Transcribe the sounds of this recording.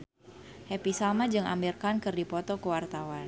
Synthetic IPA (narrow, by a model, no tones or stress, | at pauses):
hɛpisamad͡ʒɨŋʔa̰mbirkankɨrdipɔt̪ɔkəwart̪awan